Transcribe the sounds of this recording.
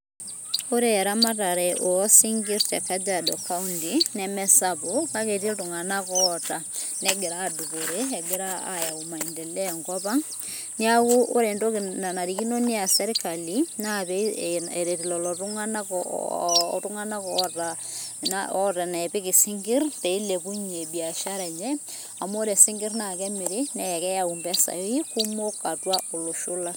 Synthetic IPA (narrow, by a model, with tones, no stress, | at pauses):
o˦ɾeːɾama˦taɾɛʔo˨ɔ˦siŋɡi˦ɾt͡ʃa˨kad͡ʒadɔkaundinɛmɛ˦sapokakete˦ltuŋanakɔta˨nɛɡe˨ɾaːdu˨koɾeɛɡe˦ɾaa̰ja˨uma˨indɛ˨lɛŋɡɔpaŋ | niakuʔo˦ɾendoknanaɾiki˦no˦ni˦a˨sɛ˦ɾikalina˦pɛ˦e˨ɾe˨ti˨lɔ˨lɔ˨tʊ˦ŋa˦na˦kː | tʊ˦ŋa˦na˦kɔ˦ta˨a̰˦ta˨na˨pɪ˦kɪ˨sɪ˦ŋɡɪ˦rte˨i˦le˨ku˦ɲi˨e˨bi˨a˨ʃa˦ɾɛ˨ɲɛ˦a˨mo˦ɾe˨sɪ˦ŋɡɪ˦rna˨kɛ˦mɪ˨ɾɪ˦nɛ˨kɛ˦ja˦˨u˨mbɛ˦sa̰˨jo˦i˦ku˦mo˦ka˨twa˦ʔo˨lo˨ʃʊ˦la˦